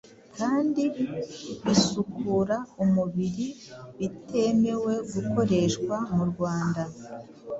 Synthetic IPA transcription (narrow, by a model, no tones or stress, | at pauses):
kaːndi | βisukuɾaumuβiɾiβite̞me̞we̞ɡuko̞ɾe̞ʃkwamuɾɡwaːnda